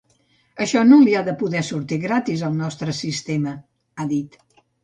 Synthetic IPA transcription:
əʃɔnoliaðəpuðɛsuɾt̪iɣɾat̪izəlˠnɔst̪ɾəsist̪emə | aðit̪

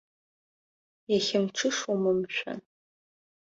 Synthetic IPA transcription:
jɛxɪmʈ͡ʂʰɨʂumɨmʃʷɐ̰n

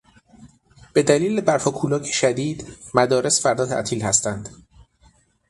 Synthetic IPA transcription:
b̥e̞d̪æliːlebæɾhɒːkʰuːlɒːcʰeʃæd̪iːd̪mæd̪ɒːɾe̞sfæɾd̪ɒːt̪ʰæ̰ʔt̪ʰiːlhæst̪ænd̪̥

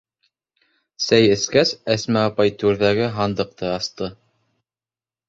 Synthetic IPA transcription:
sæjɘ̆skæsæsmæɑpɑjt̪ʉɾðæɡɘɦɑnd̪ɤ̆q̚t̪ɤɑst̪ɤ

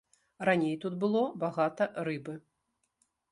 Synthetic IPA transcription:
ranʲejt̪ud̪bɨlˠɔbaɣat̪ɐɾɨbɨ

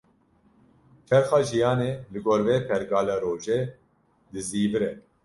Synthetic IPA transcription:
fɛɾxɑːʒijɑːneːlɨɡoːɾveːpʰɛɾɡɑːlɑːɾoːʒeː | d̪ɨziːbɨɾɛ

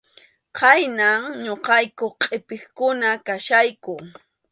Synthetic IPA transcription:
qajnaŋɲoqɑjkoχqʼɪpɪχkʊnakaʃajkʊ

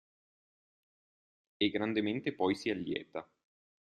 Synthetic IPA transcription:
eɡːɾand̪ement̪epɔjsialːjɛ̰ːt̪a

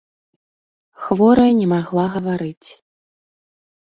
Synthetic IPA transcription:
xvɔɾɐnʲɛmaɣlˠaɣɐvaɾɨt͡sʲ

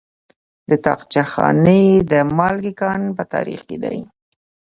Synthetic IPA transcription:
d̪ət̪ɑqt͡ʃaxɑ̰nəd̪əmɑlɡikɑnpət̪ɑ̰ɾḭxked̪a̰j

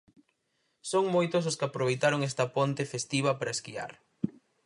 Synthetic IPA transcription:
soŋmojt̪ʊs̬ʊskɪapɾoβ̞ejt̪aɾoŋɛst̪ɐpont̪efest̪iβ̞ɐpaɾɐeskia̰ɾ

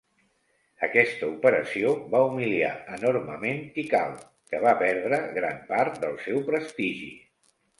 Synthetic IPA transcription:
əkɛst̪əupəɾəsioβaumilia̰ənoɾməment̪ika̰l | kəβapɛɾð̞ɾəɣɾampaɾt̪̚d̪əlˠsɛwpɾəst̪iʒḭ

